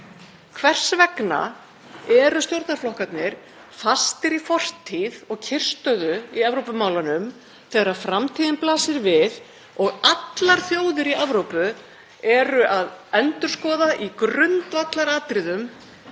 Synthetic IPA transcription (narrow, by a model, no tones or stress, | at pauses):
kʰvɛr̥svɛkna̰ | ɛɾʏst̪jowɾt̪naɾflɔhkat̪nɪɾ̥ | fast̪ɪɾifɔr̥t̪ʰːiðɔɣcʰɪr̥st̪œːðʏiavɾowpʏmaːwlanʏm | θɛːɣaɾafɾamt̪ʰiːðɪnplaːsɪɾvɪð | ɔɣat̪laɾ̥θjoːwðɪɾiavɾowpʏ | ɛɾʏʔaðɛnt̪ʏɾ̥skɔːðaʔikɾʏnt̪vat̪laɾaːt̪ɾɪðʏm